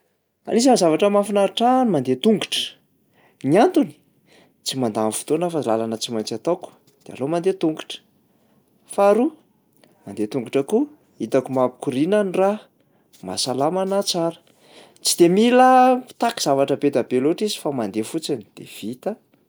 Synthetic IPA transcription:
a̰lizanzavaʈ͡ʂəmafinaiʈ͡ʂanimand̪et̪uŋɡuʈ͡ʂə̥ | niant̪uni̥ | t͡simand̪anfu̥t̪onafalalanət͡simajnt͡sat̪oku̥ | d̪̥ea̰lomand̪et̪uŋɡu̥ʈ͡ʂə̥ | faɾu | mand̪et̪uŋɡuʈ͡ʂəku | it̪akumapi̥kuɾinanira | ma̰salamanat͡saɾə̥ | t͡sid̪̥emilḁt̪aki̥z̥avaʈ͡ʂəbed̪abeloʈ͡ʂizi̥famand̪efut͡sinid̪̥ḛv̥it̪ə

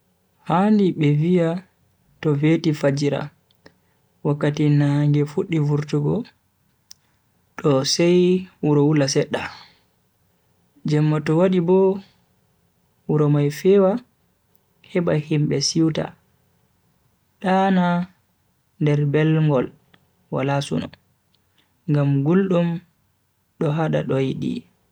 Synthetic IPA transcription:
handiɓɛvia | tɔvetifad͡ʒiɾa̰ | wakːatinaŋɡɛfuɗːivuɾtuɡɔ | ɗɔsɛjwuɾɔwulasɛɗːa | d͡ʒɛmːɔtɔwaɗibɔ | wuɾɔmajfɛwa | hɛɓahimbɛsiwta̰ | ɗana | ndɛɾbɛlŋɡɔl | wa̰lasṵnɔ̰ | ŋɡamɡulɗum | ɗɔɦaɗa̰ɗɔjiɗḭ

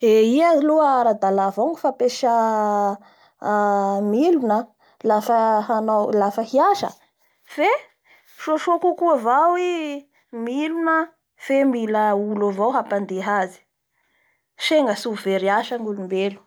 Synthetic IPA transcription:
eiaziluaɾad̪alavoŋufapeʃa | milunə | lafəɦanawlafəhiaʃə̰ | fe | ʃoʃokukuavawi | milunə | femiləulavawɦapand̪eɦazi̥ | ʃeŋɡəsuveɾiaʃaŋulumbelu̥

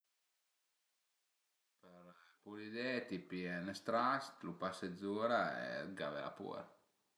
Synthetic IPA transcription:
pəɾpulid̪ɛt̪ipiɛnəst̪ɾast̪lupased̪zuːɾaɛ̰ɡa̰vɛ̰la̰pṵːɾ

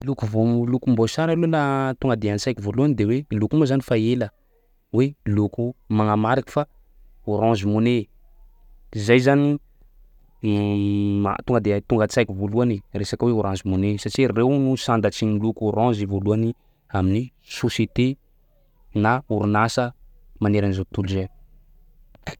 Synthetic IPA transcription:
lukuvolukumbosaɾalulat̪uŋɡad̪eant͡sajkʲivoluanid̪ewelukumazanifaelə | welukumaŋamaɾaki̥fa | uɾãzimune | izajzani | a̰t̪uŋɡəd̪et̪uŋɡət͡sajkivoluaneresakweuɾãzimonesat͡ʃirewnusand̪at͡sinilukuɾãzivoluani | amini | soset̪e | nauɾunasə | maneɾanizot̪uluze

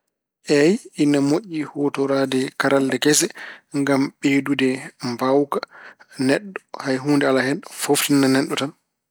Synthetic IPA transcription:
ʔɛjinamoʔːihɔtɔɾaːdɛkaɾaldɛkɛsɛŋɡamɓ̥eːdudɛmbawkanɛɗːɔhajɦuːndɛalahɛnfoftinːanɛɗːɔtan

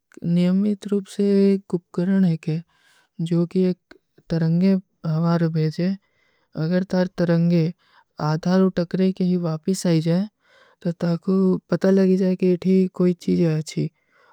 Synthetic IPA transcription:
nɪjəmɪt̪ɾuːpseeːkɡʊp̚kəɾəɳɦekɛ | d͡ʒoːkieːk̚ | t̪ɐɾə̃ŋɡe | ɦɐʋaːɾobʱeːd͡ʒe | ɐɡəɾt̪əɾt̪ɐɾə̃ŋɡe | aːd̪ʱaːɾoːʈɐkɾekeɦiʋaːpəsaːid͡ʒaːe | t̪ot̪aːkopɐt̪alɐɡid͡ʒaːekieʈʰikoːit͡ʃiːd͡ʒeɐt͡ʃʰi

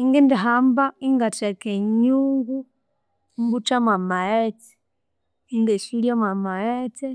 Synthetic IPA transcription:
iŋɡindiɦambaiŋɡat͡ʃɛkeɲuŋɡu | mbut͡ʃamamajɛtɛ̥ | iŋɡɛʃiliɔmamaɾɛtɛ

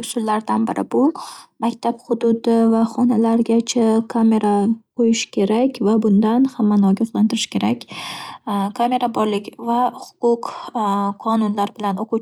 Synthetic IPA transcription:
sʊllaɾd̪anbɪɾʔɪ̰bʊmakʲt̪ʰapχʊd̪ʊd̪ɪvaχɒnalaɾɡʲat͡ʃʰakʰame̞ɾaqʰojɪʃkʲʰe̞ɾakʲvabʊnd̪anhamːanɒɡʲɒχlˠant̪ɪɾɪʃkʲe̞ɾakʲ | kʰame̞ɾabɒɾlɪkʲvahʊ̥qʰʊq | qʰːɒnʊnlaɾbɪlanoqʰut͡ʃ

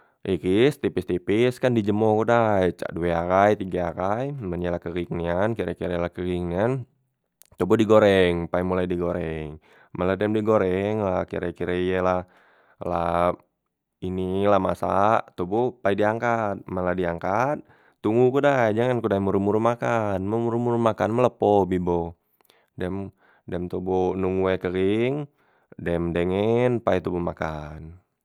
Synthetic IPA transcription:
ʔikist̪ipist̪ipɪskandid͡ʒəmɔhkudajt͡ʃa̰ʔdueakajt̪iɡaakajmənalakəɡiŋniankiɾakiɾelahkəɡiŋnian | t̪obudiɡoɾɛŋpaimulajdiɡoɾɛŋ | məladɛmdiɡoɾɛŋlakḭɾakiɾeijelah | la̰ | inilamasaʔt̪ubupaidiaŋkat̪̚məladiaŋkat̪̚ː | uŋɡukudad͡ʒaŋankudaimuɾumuɾumakanməmuɾumuɾumakanmələpobibo | dɛm | dɛmt̪obunuŋuwekəɾiŋ | dɛmdəŋɛnpait̪ubumakan

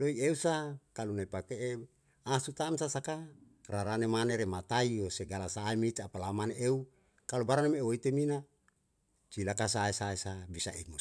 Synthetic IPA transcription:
doieusakalunaipakee | asut̪amsasaka | raɾanemaneɾemat̪aioseɡalasaimit͡ʃapalamaneʔeu | kalubaɾanemeoit̪emina | t͡ʃilakasaesaesabisaimo

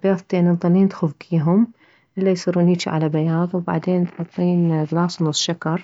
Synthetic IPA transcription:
bajaːðˤt̪eːnðˤɑnːiːnt̪xʊfɡiːɦʊm | ʔɪlːajsˤiɾuːniːt͡ʃiʕa̰labajaːðˤwba̰ʕd̪eːnt̪ħɑt̪ˤːiːnɣɪlɑːsˤnʊsːˤʃakɑɾˤ

